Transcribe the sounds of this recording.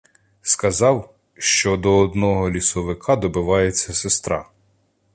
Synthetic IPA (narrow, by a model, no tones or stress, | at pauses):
skɐzɑw | ʃt͡ʃɔd̪ɔːd̪nɔɦɔlʲisɔʋɪkʰɑd̪ɔbɪʋɑjet͡sʲːɐsest̪ɾɑ̰